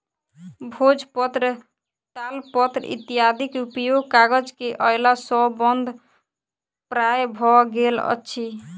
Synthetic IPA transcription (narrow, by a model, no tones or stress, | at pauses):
bʱod͡ʒpɔt̪ɾə | ʈ̪alpɔt̪ɾḭt̪ijad̪ʱikupjoɡkaɡəd͡ʒkeʔɔjlasɔbɔnd̪ʱ | pɾajbʱɔɡelə̰tːʃʰi